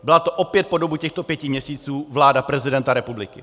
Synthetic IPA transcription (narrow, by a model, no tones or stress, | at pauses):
bɪlat̪oʔopjɛt̪̚po̞do̞bucɛxt̪o̞pjɛcɪmɲɛsiːt͡suːvlaːdapɾɛzɪdɛnt̪aɾɛpublɪkɪ